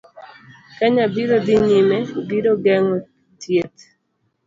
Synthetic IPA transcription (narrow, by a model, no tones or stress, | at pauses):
kaɲabiɾodiɲimɛbiɾoɡɛŋɔ | tjet̪